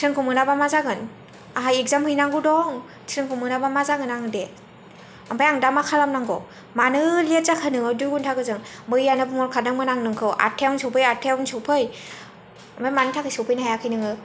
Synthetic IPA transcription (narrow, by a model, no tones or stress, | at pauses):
tʰɾɯŋkʰumɯnabamazaɡɯn | aɦajek̚zamhɯjnaŋɡudɔŋ | tʰɾɯŋkʰumɯnabamazaɡɯnaŋɯde | ambajaŋdamakʰalamnaŋɡɔ | manɯlijet̚zakʰɯnɯŋɯdujɡuntʰakɯzɯŋmɯjanɯbɯmɔɾkʰadɯŋmɯnaŋnɯŋkʰɯwʔa̰tʰewnsɯwpʰɯjatʰewnsɯwpʰɯj | ambajmanɯtʰakʰɯjsɯwpʰɯjnɦajakʰɯjnɯŋɯ